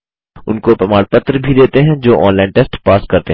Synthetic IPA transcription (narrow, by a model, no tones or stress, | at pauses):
ʊnkopɾɐmaːɽpət̪ɾbʱid̪eːt̪eɦɛ̃d͡ʒoːʔɔ̰ːnlaːɪɳʈesʈpaːskɐɾt̪e